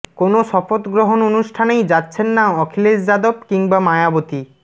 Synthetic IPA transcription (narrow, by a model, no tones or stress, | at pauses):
konoʃɔfot̪ɡɾoɦononuʃʈʰanejd͡ʑatːɕʰenːaɔkʰiled͡ʑd͡ʑad̪obkiŋbamajabot̪i